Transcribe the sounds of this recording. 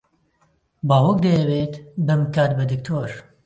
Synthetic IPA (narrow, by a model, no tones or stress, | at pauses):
baːwɐk̚d̪ɐjɐwet̪bɨmkaːt̪̚bɐd̪ɨk̚t̪ʰoːɾ